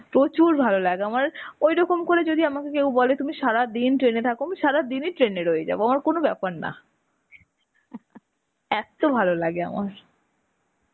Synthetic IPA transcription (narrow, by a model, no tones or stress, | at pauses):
pɾot͡ɕuɾbʱalolaɡeamaɾojɾɔkomkoɾed͡ʑod̪iamakekewbɔlet̪umiʃaɾad̪inʈɾenet̪ʰakomiʃaɾad̪iniʈɾeneɾojed͡ʑa̰boamaɾkonobɛpaɾna̰ | ɛt̪obʱalolaɡea̰ma̰ɾ